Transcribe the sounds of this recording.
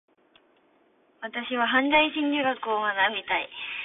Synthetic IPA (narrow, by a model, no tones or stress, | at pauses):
βat̪aɕiβaɦãnd̪aiɕĩɲdʲɨːɡakɯ̟omanabʲit̪ai